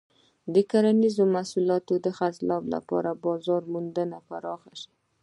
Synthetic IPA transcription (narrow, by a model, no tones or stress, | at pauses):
d̪əkaɾanizomasulɑt̪od̪əxatlɑbla̰pɑ̰ɾabɑzɑɾmund̪ənapaɾɑxaʃi̥